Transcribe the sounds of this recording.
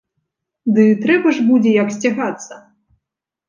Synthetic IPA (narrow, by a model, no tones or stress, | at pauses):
d̪ɨt̪ɾɛbɐʐbud͡zʲɛjɐksʲt͡sʲaɣat̪sːɐ